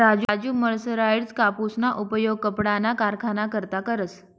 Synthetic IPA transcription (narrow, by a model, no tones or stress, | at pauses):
ɾad͡ʑd͡ʑuːməɭsəɾaiɽt͡skapusnaʔupəjoɡ̚kəpɽanakaɾkʰanakəɾt̪akəɾət͡s